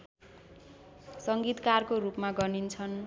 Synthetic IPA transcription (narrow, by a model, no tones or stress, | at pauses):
sʌŋɡit̪karkorupmaɡʌnint͡sʰʌn